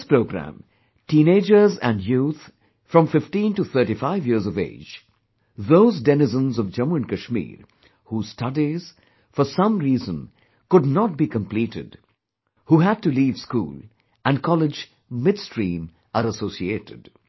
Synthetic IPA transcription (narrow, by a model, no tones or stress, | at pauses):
spɾoʊɡɾæ̰̃m | tĩːneɪd͡ʒə˞zæ̰̃nɖjut̪ | fɾʌ̃mfɪfʈĩntuθʰə˞ʈifaɪvjiəzɔvḛːd͡ʒ | ðoʊzdɛnɪzə̃nzɔvd͡ʒʌ̃muɨ̃nkəʃmḭːɾ | huːz̥stʰʌdiz̥ | fɔɾsʌ̃mɾiːzə̃n | kʊdnɔt̚bikə̃mpliːtɪ̰d | huːɦæd̚tuliːv̥skṵːlˠ | ʔæ̃nkʰɔlɪd͡ʒ | mɪdstɹĩːm | ʔəɾəsoʊsieːɾɪd̥